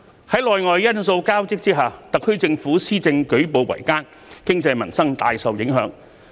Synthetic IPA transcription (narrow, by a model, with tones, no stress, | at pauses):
hɐ˨˥jlɔː˨jŋɔː˨jːɐ˥nso˧wkaː˥wt͡sɪ˥k̚t͡siː˥ɦaː˨˩t̪ɐ˨k̚ʰːɵ˥ɥt͡sɪ˧ŋfuː˨˥siː˥t͡sɪ˧ŋkɵ˨˥ɥpo˨wwɐ̰˨˩jkaː˥n | kɪ˥ŋt͡sɐ˧jmɐ˨˩nsɐ˥ŋt̪a̰ː˨jsɐ˨wjɪ˨˥ŋɦœ̰ː˨˧˥ŋ